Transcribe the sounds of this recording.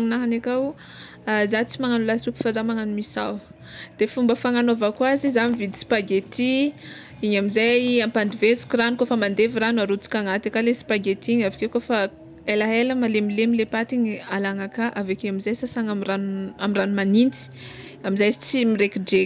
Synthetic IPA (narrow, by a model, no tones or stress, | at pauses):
inaɦanakaw | azat͡simaŋanulasupi̥faɖ͡ʐamaŋanumisa̰w | d̪̥efumbəfaŋanovakwazizamivid̪i̥spaɡet̪i | iɲamizaampand̪ivezu̥kʲiranukofəmand̪eviranuaɾut͡si̥kʲaŋat̪akalesi̥paɡet̪iɲavikekofa | elaɦeləmalemilemilepat̪iɲalaŋakaʔavakeamizajsasaŋamranamiranumanint͡si̥ | amizajt͡simiɾekiɖ͡ʐe